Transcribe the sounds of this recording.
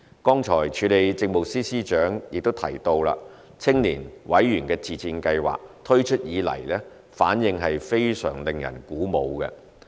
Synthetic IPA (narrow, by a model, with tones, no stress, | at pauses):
kɔː˥ŋt͡ʃʰɔː˨˩jt͡ʃʰyː˨˥le˨jt͡sɪ˧ŋ̚mo˨˩siː˥siː˥t͡ʃœː˨˥ŋjɪ˨k̚t̪o˥wt̪ʰɐ˨˩jt̪o˧wla̰ː˧ | t͡sʰɪ˥ŋliː˨˩nwɐ˨˥jɥyː˨˩nkɛː˧t͡siː˨t͡siː˧nkɐ˧jwa̰ː˨k̚t̪ʰɵ˥ɥt͡ʃʰɵ˥t̚jiː˨˧lɐ̰˨˩jlɛː˥ | faː˨˥njɪ˧ŋɦɐ˨jfe˥jsœ̰ː˨˩ŋlɪ˨ŋjɐ̰˨˩nkuː˨˥mo˨˧wkɛ̰˧